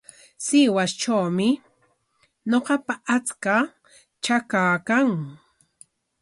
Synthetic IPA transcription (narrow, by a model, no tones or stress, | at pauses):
sɪwast͡ʃawmɪ | ɲoqɑpaʔat͡ska | t͡ʃakaːkaŋ